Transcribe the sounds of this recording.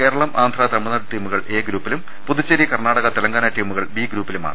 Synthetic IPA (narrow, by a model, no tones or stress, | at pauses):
ke̞ːɾɐɭɐmʔaːnd̪ʱraːt̪ɐmːunɐɽʈːiːmuɣɐɭe̞ːɡɾuːpːilum | puðut͡ɕːɐɾikɐrnaːɽɐɣɐt̪elɐŋɡaːnɐʈiːmuɣɐɭbiːɡɾuːpːiluma̰ːɳɨ